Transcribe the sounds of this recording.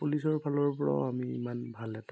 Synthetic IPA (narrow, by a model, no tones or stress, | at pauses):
pulisɔɹpʰalɔɹpɔɹa̰amiḭmanbʱalɛta